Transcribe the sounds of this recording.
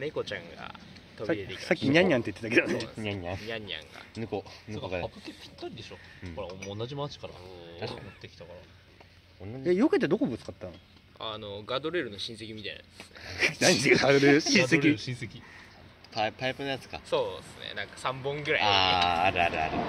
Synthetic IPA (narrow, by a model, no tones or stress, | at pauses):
neko̞t͡ɕãŋɡa̰ | t̪obiet̪ekasakʲːiɲɲʲiãɲɲʲːãnt̪eit̪ːet̪ak̬ed̪oneɲʲaɲːãɲɲʲãɲ̟ːiã̰ŋɡa̰nɯkonɯkoɡapɯkepʲi̥t̪ːaɾid̪eɕõkɾaoõnːad͡ʑimat͡ɕi̥kaɾaaɕat̪ːekʲit̪akaɾa | õnːaɲejoket̪̬ed̪o̞kobot͡sɨ̥kat̪ːãno | anoɡad̪oɾeɾɯ̟no̞ɕĩse̞kʲimʲit̪aḭnae̥snenaɲesod̪oɾeɕĩseɾʲiĩsekʲi | papaipɯnojat͡sɨ̥kaso̞ːsɨnḛnãŋkḁsãmbõŋɡɯ̟ɾa̰aːɾɯ̟aɾɯ̟a̰ɾɯ̟